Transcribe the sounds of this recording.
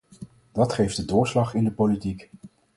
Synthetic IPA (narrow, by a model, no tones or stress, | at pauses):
d̥ɑtχejfdədʊːɹslɑχɪndəpolitik